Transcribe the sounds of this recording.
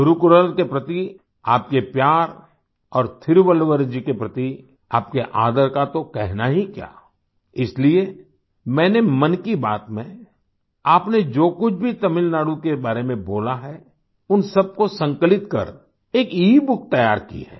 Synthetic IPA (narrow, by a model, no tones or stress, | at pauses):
ʊɾukʊɾəlkepɾɐt̪i | aːp̚kepjaːɾ | ɔːɾt̪ʰɪɾʋəlʋəɾd͡ʒikepɾɐt̪i | aːp̚keʔaːd̪əɾkat̪okɛɦnaɦikja̰ː | ɪslie | mɛ̃ːnemɐnkibaːt̪mẽ | aːpned͡ʒoːkʊt͡ʃʰbʱit̪ɐmɪlnaːɽukebaːɾemẽboːlaɦɛ | ʊnsɐb̚kosɐ̃ŋkəlɪt̪kɐ̰ɾ | eːkiːbʊk̚ʰt̪ɐjaːɾkḭɦɛ̰ː